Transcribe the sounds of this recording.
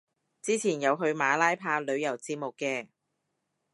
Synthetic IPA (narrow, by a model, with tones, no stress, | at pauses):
t͡siː˥t͡sʰiː˨˩njɐ˨˧wɦɵ˧ɥmaː˨˧laː˥jpʰaː˧lɵ˨˧ɥjɐ˨˩wt͡siː˧p̚mʊ˨kːɛː˧